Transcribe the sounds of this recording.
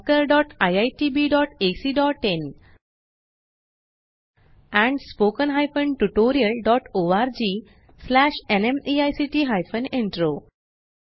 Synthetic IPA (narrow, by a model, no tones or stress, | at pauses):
kəɾɖɔʈajajʈibiɖɔʈesiɖɔʈen | ɛ̃ɳɖspokənɦajfənʈuʈoɾiəlɖɔʈoaɾd͡ʑiː | slæɕenemiajsiʈiɦajfənẽɳʈɾo